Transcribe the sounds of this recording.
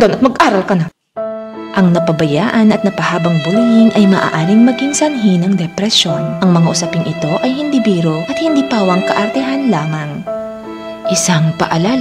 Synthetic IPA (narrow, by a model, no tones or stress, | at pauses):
d̪onɐt̪̚mɐɡʔaːɾɐlkɐna | ʔɐŋnɐpɐbɐjaːʔɐnɐt̪̚nɐpɐhaːbɐŋbʊlijɪnʔɐjmɐʔa̰ːʔaːɾɪŋmɐɡɪŋsɐnɦinɐŋd̪ɛpɾɛsjo̞nʔɐŋmɐŋaʔʊsɐpɪŋʔɪt̪o̞ʔɐjhɪnd̪ibiːɾoʔɐt̪̚hɪnd̪iːpaːwɐŋkɐʔɐɾt̪ɛɦanlaːmɐŋ | ʔɪsaŋpɐ̰ʔɐlaːl